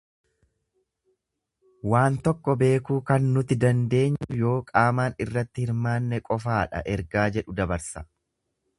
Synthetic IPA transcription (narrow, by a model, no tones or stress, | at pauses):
waːnt̪ɔkːɔbe̞ːkuːkɐnːʊt̪ɪd̪ɐnd̪e̞ːɲːʊjo̞ːkʼaːmaːnɪrːɐt̪ːɪhɪɾmaːnːɛkʼɔfaːᶑɐ̰ʔɛɾɡaːd͡ʒɛᶑʊd̪ɐbɐɾsɐ